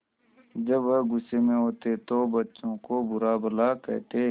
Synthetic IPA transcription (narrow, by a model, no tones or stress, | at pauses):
d͡ʒɐbɐɡʊsemẽɦoːt̪et̪obɐtːʃõkobʊɾabɐlakɛ̰t̪e